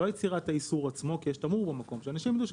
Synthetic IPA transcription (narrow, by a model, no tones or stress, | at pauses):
ojet͡siʁataisuʁat͡smo̞kijeʃtamuʁbemako̞mʃeanaʃimd̪uʃ